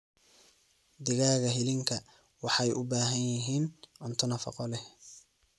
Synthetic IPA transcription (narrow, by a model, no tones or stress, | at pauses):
d̪ɪɣaːɣɐɦɪlɪŋkʰɐ | wɑħɑjʔʊbaːɦɐnjɪɦiːnʔʊnt̪ʰʊnɐfɑ̰qɔlɛ